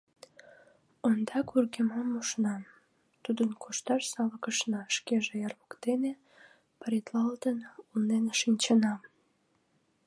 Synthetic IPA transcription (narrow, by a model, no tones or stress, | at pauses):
ond̪ɑkurɣemɑmuʃnɑm | t̪ud̪ənkʰuʃt̪ɑʃsɑləkəʃnɑʃkeʒejɑrβəkt̪ene | pəɾʲit̪lɑld̪ənulnenʃinʲt͡ɕənɑm